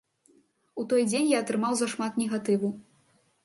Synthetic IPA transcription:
ut̪ɔjd͡zʲenʲjaɐt̪ɾɨmawzɐʂmat̪nʲɛɣat̪ɨvu

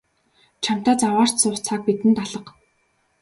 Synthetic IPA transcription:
t͡ɕʰam̥t̪aːt͡sawaːr̥t̪sʊːχt͡sʰak̚pit̪ɘ̆nt̪aɮə̆q

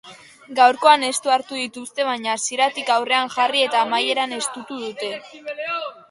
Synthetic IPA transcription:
ɡawɾko̞ane̞st̪uaɾt̪uðit̪ust̪e̞β̞aɲasiɾat̪ikawre̞aŋʝarie̞t̪aːmaje̞ɾane̞st̪ut̪uðut̪e̞

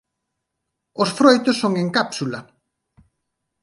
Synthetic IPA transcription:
osfɾojt̪ʊsːoŋeŋkapsulɐ

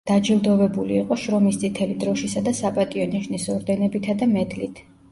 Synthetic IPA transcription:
d̪̥ad͡ʒɛlˠd̪ɔvɛbuliːqʼɔʃɾɔmist̪sʼit̪ʰɛlid̪ɾɔʃisad̪asapʼat̪ʼiɔniʃnisɔɾd̪ɛnɛbit̪ʰad̪amɛd̪lit̪ʰ

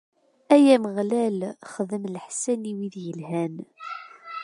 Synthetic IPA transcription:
æjæməʁlælχəðəmlħsæniwiðjəlhæn

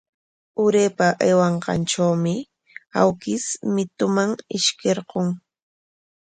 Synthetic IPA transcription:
ʊɾeːpaʔajwɑɴqɑ̰nʈ͡ʂawmɪ | a̰wkɪsmɪt̪ʊmaŋɪʃkeɾqoŋ

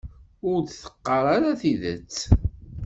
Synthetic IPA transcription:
ʊɾd̪θə̥qːəɾˤaɾaθiðə̰t͡sː

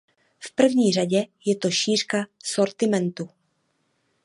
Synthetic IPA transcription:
fpr̩vɲiːr̝aɟɛjɛt̪o̞ʃiːr̥kaso̞ɾt̪ɪmɛnt̪u

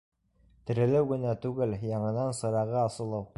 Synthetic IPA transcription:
t̪ɘ̆ɾɘ̆lɘwɡɘ̆næt̪ʉɡɘljɑɴɤ̆nɑnsɤ̆ɾɑʁɤɑsɤ̆lˠɤw

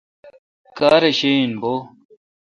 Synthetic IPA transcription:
kaːɾeɕenboː

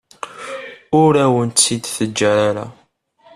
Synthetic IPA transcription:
ʊɾæwənt̪ːid̪θəd͡ʒːæɾaɾa̰

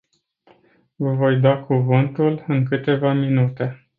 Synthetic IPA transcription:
vəvo̞jd̪oakuvɨnt̪ulɨŋkɨt̪e̞vaminut̪e̞

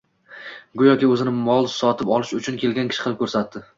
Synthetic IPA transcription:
ɡʊjɒkʲɪɵzɪnɪmɒlˠsɒt̪ʰɪpɒlˠɪʃʊt͡ʃʰʊnkʲʰe̞lɡʲankʲʰɪ̥ʃɪ̥qʰlɪp̚kʰʲɵɾsat̪ːɪ

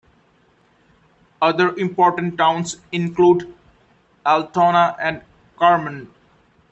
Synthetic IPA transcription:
ʌd̪əɾɪ̃mpɔːɾʈə̃ɳʈʈãʊ̃nsɪ̃nkluːɖ | ælʈɔːnaʔɛ̃ɳɖ | kaːɾmə̃n

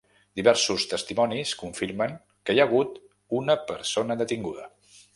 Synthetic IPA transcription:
d̪iβɛɾsust̪əst̪imɔniskuɱfiɾməŋ | kəjaɣ̞ut̪ | unəpəɾsonəd̪ət̪iŋɡuðə̰

